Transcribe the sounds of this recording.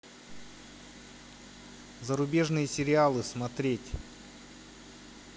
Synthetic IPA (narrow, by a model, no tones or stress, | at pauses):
zəɾʊbʲe̞ʐnɨjəsʲɪɾʲɪalˠɨsmɐt̪ɾʲetʲ